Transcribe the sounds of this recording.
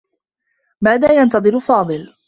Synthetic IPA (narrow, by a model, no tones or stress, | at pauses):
maːðaːjant̪ɑðˤɨɾfɑːd̪ˤɨl